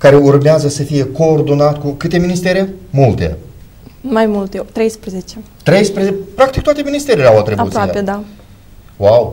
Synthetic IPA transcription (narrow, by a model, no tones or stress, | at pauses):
kaɾe̞urmeazəsəfije̞ko̞ːrd̪o̞nat̪kukɨt̪e̞minist̪e̞ɾe̞mult̪e̞̰ | majmult̪et̪ɾe̞jspɾezet͡ʃe | t̪ɾe̞jspɾezepɾakt̪ikt̪wat̪e̞minist̪e̞ɾelʲeawat̪ɾibaṵɾoiaeed̪a | waw